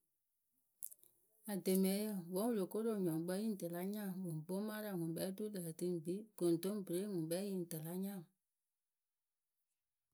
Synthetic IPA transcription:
a˨de˨mɛ̃˨˦jə˦˨wɔ̃˨˦wu˦˨lo˨ko˦ɾo˨ɲɔ̃˨ŋ˦ɡ͡bɛ˦jĩ˦˨tə˨la˦ɲã˦˨wo˨bo˦mã˦ɾa˨ŋũ˨ɓɛ˦tu˦lə˨ti˦m˨bi˦ɡ̥o˨n˨tõ˦m˦be˨ɾe˦ŋũ˨ɓɛ˦jĩ˦˨n˨tə˨la˨˦ɲã˦˨

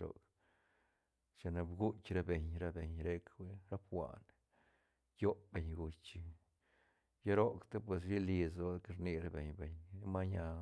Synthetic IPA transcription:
ɾo̰˨k | t͡ʃa˨na˧bɡu˦t͡ʃʲɾa˦be˨ɲɾa˦be˨ɲɾe˦kwe˦ɾa˦pxʷa̰˨n | jo˦pbe˨ɲɡu˧t͡ʃi˧ | ja˦ɾo˦kt̪e˦p̬we˨s̬ɾi˦li˧so˦ke˦ɾni˧ɾa˦be˨ɲbe˨ɲ˦ma˦ɲa˧

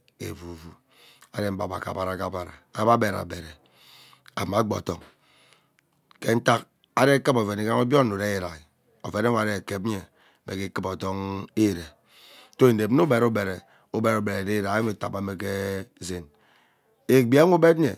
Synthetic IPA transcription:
ḛ˨vu˨vu˨ | a˨de˦m̩˦ba˨ba̰˨ka̰˨ba˨ɾa˨ka˦ba˨ɾa˨a˨˦ba˦be˨ɾa̰˨be˨ɾe˨ | a˨ma˨˦ɡ͡bo̰˨tɔ˦ŋ | ke˦n̩˦ta˦k | a˦de˦kɨ˦po˨ve˨ni˨˦ka˦ŋo˦bjo˦n̩˨o˨de˦e˨ɾa˨ɣi˨ | o˨ve˨˦ne˦a˨ɾe˨ke˨p̚e˨ | mḛ˨ke˦kɨ˦pɔ˨tɔ˦ŋe˦˨ɾe˨ | to˦e˨de˨bnu˦be˨ɾu˦be˨ɾe˨ | u˦be˨ɾo˨be˨ɾe˨de˦ɾa˨˦i˦me˨ta̰˨ba˨me˨k̬e˦ze˦n | e˨ɡ͡bi˦e˦u˦be˦tɲḛ˨

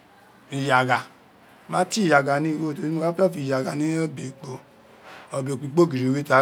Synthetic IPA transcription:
i˨ja˨ɡa˨ | mã˦ti˦˨ja˨ɡa˨nĩ˦˧wo˦˨to˧ɾi˦u˦˧ka˦˨fi˧˨ja˨ɡa˨nĩ˦o˦be˨k͡po˧ | o˧be˨k͡pi˨˧˦k͡po˦˨ɡi˨ɾi˨we˦ta˨˦

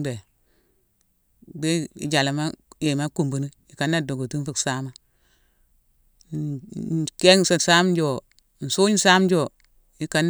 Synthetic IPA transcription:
be˨ | be˦ḭ˨d͡ʒa˨la˨ma˦je˨ma˦ku˨mbu˨ni˦ | i˨ka˨nːa˦do˨ɡo˨ti˦fu˦ksa˦ma˦˨ | ke˦ŋ˨sa˨sa˦md͡ʒo˨ | n̩˨su˦ɲ˦sa˦md͡ʒo˦˨ | ji˨˦ka˨n

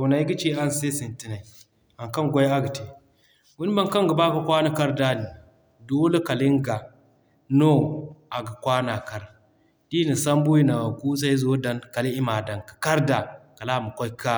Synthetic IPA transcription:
ta˨wna˨˦i˦ɡi˦t͡ʃeː˦ʔa˦nse˦si˨nti˦na˨i˨ | a˨ŋkɐ˦ŋɡʷa˦ja˦ɡa˨te˨ | ɡu˦n˦ma˦ŋka˦ŋɡa˨baː˦ka˨kʷa˦na˨ka˦ɾda˦ni˨ | doː˦le˦ka˨li˦ŋɡa˨ | no˦˨ʔa˨ɡa˨kʷaː˦na˨ka˦ɾ | ti˦ni˨sa˦mbu˦ji˦na˨wa˨ku˦s̬a˦i˦zoː˦da˨nka˨li˦ʔi˦ma˨da˨ŋkḁ˨ka˦ɾda˨ka˨laː˦˨mu˨kʷa˦jka˦

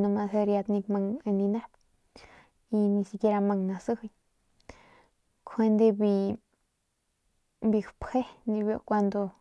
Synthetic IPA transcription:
no˧ma˧he˧ɾja˧d̪ni˧kma˧ŋe˧ni˧na˦b | i˧ni˧si˧ke˧ɾa˧ma˧ŋna˧sɨ˦hɨ˧j | kʰwe˧nd̪e˧bi˧ | bi˧xphe˦ni˧bjo̰˧˨kʷa˧nd̪o˧

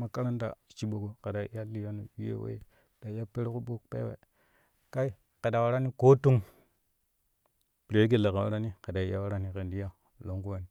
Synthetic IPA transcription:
ma˨ka˦ɾa˦nda̰˨t͡ʃi˨ɓo˨ɡo˨ke˨da˨˦ja˦li˦ja˦nu˨wi˦jḛ˦wḛ˦˨ | ɗa˨ja˦pe˦ɾku˦ɓo˦kpḛ˦wḛ˨ | ka˦i˦ | ke˨da˨wa˨ɾa˦ni˦ko˦tu˦ŋ | pi˨ɾe˨˦ɡe˨la˨ka˨wa˦ɾa˦ni˦ke˨da˨i˨ja˦wa˦ɾa˦ni˦ke˨ndi˦ja˦ | lo˨ŋku˦wa˨ni˨

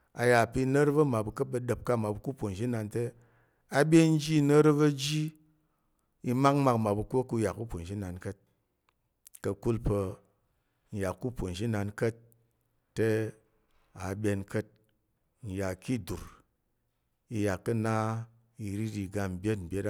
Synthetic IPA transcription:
a̰˧ja˨pi˧˦nə˦ɾbɐ˦ma˨bu˧kə˦p̚bɐ˧də˨p̚ka˦˨ma˨bu˧ku˦pʷo˨n˨d͡ʒi˦na˧nte˦ | a˧bʲe˦n̩˦d͡ʒi˦˧nə˦ɾbɐ˦˧d͡ʒi˦ | i˧ma˦k̚ma˧kma˨bu˧kʷo˦ku˧ja˨kːu˦po˨n˨ʃi˦na˧nkə˦t̚ | kə˧ku˦lpə˧ | n̩˨ja˨kːu˦po˨n̩˨ʒi˦na˧nkə˦t̚ː | e˦ | a˨bʲe˧nkə˦t̚ | n̩˨ja˨ki˦du˨ɾ | i˧ja˨kːɐ˦na˦ | i˧ɾi˦ɾi˧ɡa˧m̩˨bʲe˦t̚m̩˨bʲe˦ɾa˦

